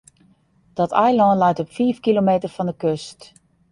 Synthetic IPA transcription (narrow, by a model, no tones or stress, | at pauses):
d̥ɔtʰɛjlɔnlɛjtɔpfiːfkilomeːtərfɔndəkøst